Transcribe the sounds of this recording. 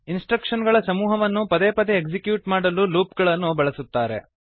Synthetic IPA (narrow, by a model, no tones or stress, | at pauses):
insʈɾɐkʂɐnɡɐɭɐsɐmuːɦɐʋɐnːupɐd̪eːpɐd̪eːɡsikjuːʈmaːɽɐlːuluːpɡɐɭɐnːubɐɭɐsut̪ːaːɾe